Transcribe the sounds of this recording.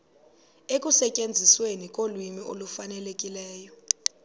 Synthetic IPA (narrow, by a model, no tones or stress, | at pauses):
ekʼusɛcʼend͡zʱiswenikʼolwimio̰lufanɛlekʼilɛːjɔ